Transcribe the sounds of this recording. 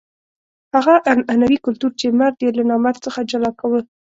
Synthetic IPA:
haɣaʔananawikʊlt̪uɾt͡ʃemaɾd̪jelanɑmaɾt͡səxad͡ʒalɑkawə

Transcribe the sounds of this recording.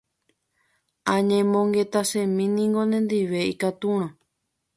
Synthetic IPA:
ãɲẽmõŋɡe̞t̪asẽmĩnĩŋɡonẽnd̪iʋe̞ikat̪uɾ̃õ

